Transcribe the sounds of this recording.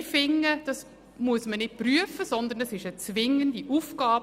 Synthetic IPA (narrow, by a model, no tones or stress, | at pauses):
fɪŋːəd̥ɑs | muəsmənɪt̚pryəfəsɔnd̪əɾnɛsɪʃət͡svɪŋːəndiʔufɡ̥ɑːb